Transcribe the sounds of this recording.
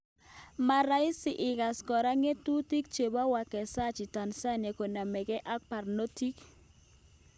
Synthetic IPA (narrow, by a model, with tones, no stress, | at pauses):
ma˨ɾa˦i˦sɪ˨ʔɪ˨ɡa˨skɔ˨ɾa˦ŋe˦tu˦ti˦k̚t͡ʃe˨ba˦wa˨kɛ˨sa˦t͡ʃɪ˨ta˨nsa˦ne˨ko˨na˨mɛ˨ɡɛ˦ʔa˦k̚pa˨rno˦ti˦k